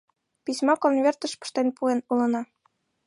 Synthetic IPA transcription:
pisʲmɑkonvʲert̪ə̆ʃpə̥̆ʃt̪enpuenulɤ̆nɑ

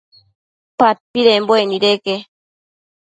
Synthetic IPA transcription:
pat̪̚piɾɛmbɔɛniɾɛkɛ

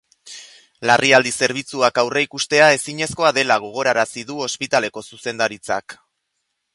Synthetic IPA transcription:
larʔiald̪ise̞ɾβ̞it͡suakawreikust̪e̞ae̞siɲe̞sko̞aðe̞laɣ̞o̞ɣ̞o̞ɾaɾasiðuo̞spit̪ale̞ko̞suse̞nd̪aɾit͡sa̰k

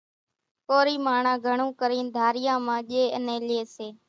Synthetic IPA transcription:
koːɾiːmaːɳãːɡʱəɳũːkəɾĩːnd̪ʱaːɾɪjãːmãːʄeːənẽːleːseː

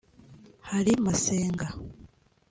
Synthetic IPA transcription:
haɾimaseːŋɡa

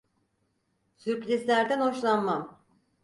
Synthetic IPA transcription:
syɾpɾʲizlʲæɾd̪ænɦoʃlˠanmam

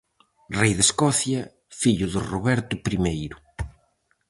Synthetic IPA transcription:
rɛjðeskɔθjɐ | fiʎʊðʊroβɛɾt̪ʊpɾimejɾʊ

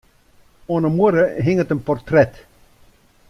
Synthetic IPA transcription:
ɔːnəmuəɾəɦɪŋətənpɔrt̪rɛt

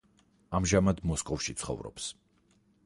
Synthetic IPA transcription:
amʒamad̪mɔskʼɔfʃit̪sʰχɔ̰vɾɔ̰ps

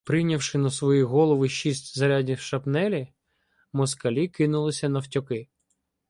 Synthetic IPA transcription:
pɾɪjnʲɐwʃɪnɐsʋɔjiɦɔlˠɔʋɪʃisʲtʲzɐɾʲadʲiwʃɐpnɛlʲi | mɔskɐlʲikɪnʊlˠɪsʲɐnɐwtʲɔkɪ

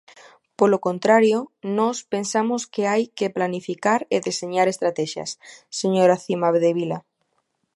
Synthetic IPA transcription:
polokont̪ɾaɾjonɔspensamoskeajkeplanifikaɾeðeseɲaɾest̪ɾat̪ɛʃja̰sːeɲoɾaθimaβeðeβila

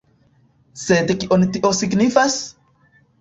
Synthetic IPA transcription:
set̪ekiʔonit̪iʔosiknifas

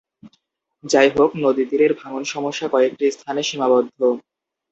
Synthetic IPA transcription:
d͡ʑajɦoknod̪id̪iɾeɾbʱaŋonʃɔmoʃːakɔek̚ʈist̪ʰaneʃimabɔd̪ʱːo

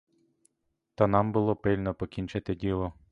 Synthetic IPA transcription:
t̪anɑmbʊlˠɔpɪlʲnɔpɔkʲinʲt͡ʃat̪ɪdʲilˠɔ

